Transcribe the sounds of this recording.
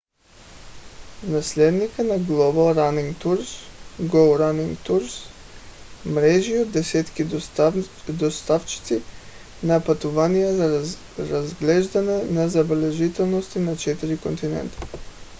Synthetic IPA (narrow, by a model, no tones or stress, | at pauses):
naslɛd̪nikənaɡlˠɔbalˠɾaniŋɡt̪uɾsɡoɾaniŋɡt̪uɾs | mɾɛʒiod̪ːɛsɛt̪ki | d̪ost̪aft͡ʃi̥t̪si | napat̪uvanijɛza | ɾazɡlɛʒd̪anɛnazabɛlɛʒit̪ɛlˠnost̪inat͡ʃɛt̪iɾikont̪inɛ̰nt̪i̥